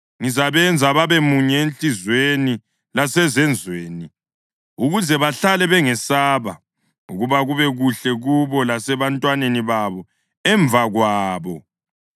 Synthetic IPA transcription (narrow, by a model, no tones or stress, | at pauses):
ŋizaβɛnd͡zʱaβaβemuɲɛenɬʼizweni | lasɛzɛnd͡zʱweːni | uɣuzɛβaɬalɛβɛŋɛsaːβa | uɣuβaɣuβɛɣuɬɛɣuβɔlasɛβantʼwaneniβaβɔ | ɛɱb̪vʱaɣwaːβɔ